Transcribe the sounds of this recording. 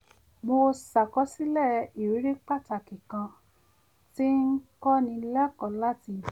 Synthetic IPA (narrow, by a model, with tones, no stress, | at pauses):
mo˧sa˨kɔ˧˦si˦lɛ˦˨i˨ɾi˨˦ɾe˦k͡pa˦ta˧˨kĩ˨kã˧ | ti˦ŋ̩˦kɔ˦nĩ˧˦lɛ˦kɔ˨la˦ti˧˦˨